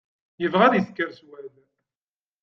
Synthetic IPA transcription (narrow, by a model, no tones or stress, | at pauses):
jəvʁæðjəθkəɾswæl